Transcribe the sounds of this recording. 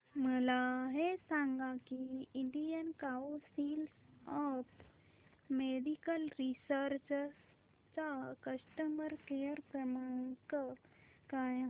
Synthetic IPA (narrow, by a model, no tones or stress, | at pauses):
məlaɦesãːŋɡakiɪɳɖijənkaosilsap | meːd̪ikəlɾisəɾt͡ʃ | t͡ʃakɐsʈəmbəɾkejəɾpəmək | ka